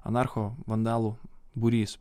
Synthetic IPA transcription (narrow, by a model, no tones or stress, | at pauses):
ɐ̰nɑɾxɔʋɐnd̪ɑlˠubʊɾʲiːs